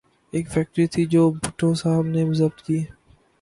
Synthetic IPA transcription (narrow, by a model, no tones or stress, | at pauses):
eːkpʰɛːk̚ʈɾit̪ʰid͡ʒoːbʱʊʈʰːõsaːbnemʊsəb̚t̪kiː